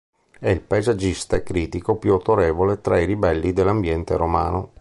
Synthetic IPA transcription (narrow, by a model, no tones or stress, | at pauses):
ɛilpajzad͡ʒist̪aekɾiːt̪ikopjuat̪oɾeːvolet̪ɾairibɛlːid̪elːambjɛnt̪eɾoma̰ːno̰